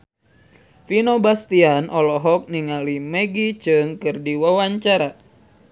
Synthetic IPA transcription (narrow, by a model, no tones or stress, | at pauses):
finobast̪ianʔɔlɔɦɔk̚niŋalimeɡit͡ʃɨŋkɨrdiwawaɲt͡ʃaɾa